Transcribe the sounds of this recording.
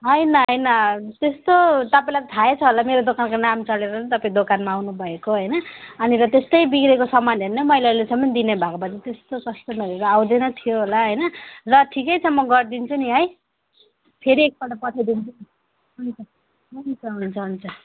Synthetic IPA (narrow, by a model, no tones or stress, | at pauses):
ɦʌjnʌɦʌjnʌt̪est̪ot̪ʌpaĩlajt̪ʌt̪ʰaet͡sʰʌɦolameɾod̪okankonamt͡sʌleɾʌʌnt̪ʌpaĩd̪okanmaːwnubʱʌekoɦʌjnʌʌniɾʌt̪est̪ʌjbikɾekosʌmanɦernʌmʌjlaɾlesʌmːʌnd̪inebʱakopʌt͡sit̪est̪okʌst̪omʌleɾʌawd̪enʌt̪ʰijoɦolaɦʌjnʌrʌʈʰikʌjt͡sʰʌmʌɡʌrd̪int͡sʰuniɦʌj | pʰeɾiek̚pʌʈapʌʈʰed̪int͡sʰu | unitʌp | ʌnikaɦunt͡sʰʌɦunt͡sʰʌ